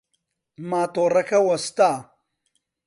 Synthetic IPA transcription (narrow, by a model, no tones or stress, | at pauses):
maːt̪oːɾɐkʰawɐst̪aː